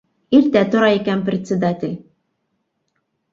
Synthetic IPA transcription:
iɾt̪æt̪ŏɾɑikænprʲɪt̪ʲsʲɪd̪atʲɪlʲ

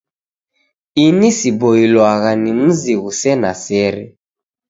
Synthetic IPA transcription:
inisibɔilwaɣanim̩ziɣusɛnasɛɾɛ

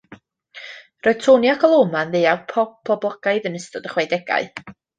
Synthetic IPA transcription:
rɔɨ̥tʰoːnjakʰɔlˠoːmanðeavpʰɔbʰɔblˠɔɡ̥aɨðənəstɔdəχwɛjdɛɡa̰ɨ

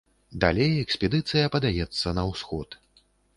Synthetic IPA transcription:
d̪a̰lʲejɛksʲpʲɛd̪ɨt̪sɨjɐpɐd̪ajɛt̪sːɐnɐwsxɔt̪

